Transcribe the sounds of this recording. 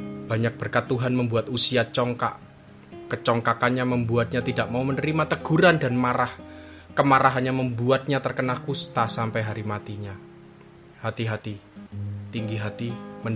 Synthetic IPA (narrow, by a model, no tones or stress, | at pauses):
b̥a̤ɲak̚b̥ərkat̪ːuɦanməmbuat̪usiat͡ʃɔŋka̰ʔ | kət͡ʃɔŋkakanɲaməmbuat̪̚ɲat̪idaʔmaumənəɾimat̪əɡ̥uɾandanmaɾah | kəmaɾaɦanɲaməmbuat̪̚ɲat̪ərkənalkust̪asampajɦaɾimat̪iɲa | hat̪iɦat̪i | t̪iŋɡiɦat̪imən